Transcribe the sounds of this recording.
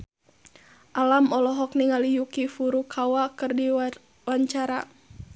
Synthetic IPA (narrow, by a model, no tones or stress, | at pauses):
ʔalamɔlɔɦɔk̚niŋalijukifuɾukʰawakɨrdi | waɲt͡ʃaɾa